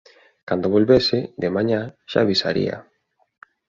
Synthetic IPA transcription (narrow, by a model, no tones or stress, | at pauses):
kand̪oβolβeseðemaɲaʃa̰ːβisa̰ɾḭa̰